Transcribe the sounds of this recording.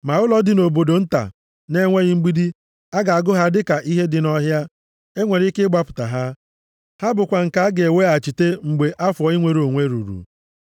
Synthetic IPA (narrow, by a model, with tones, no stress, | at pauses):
ma˨ʊ˦lɔ˦dɪ˨no˨bo˨do˨n̩˦ta̰˨ | ne˦ŋʷe˦ɣɪ˦ŋ͡m̩˦ɡ͡bi˦di˦ | a˦ɡa˨a˨ɡʊ˦ɦa˦dɪ˦ka˨ʔi˦ɦe˦dɪ˨nɔ˦ɦja˦ | e˦ŋʷe˨ɾi˦kɪ˦ɡ͡ba˦pʊ̥˨ta̰˨ɦa˦ | ha˦bʊ˨kʷa˨ŋ̩˨ka˨a˦ɡe˨we˦a˨t͡ʃi˨te˦ŋ͡m̩˨ɡ͡be˨ʔa˦fʊ˨ɔ˨˦i˦ŋʷe˨ɾo˨ŋʷe˦ɾṵ˨ɾṵ˨